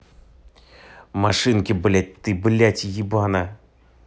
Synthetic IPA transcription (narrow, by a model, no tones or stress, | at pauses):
maʂɨnkʲɪblʲatʲt̪ɨbɨlʲatʲjibana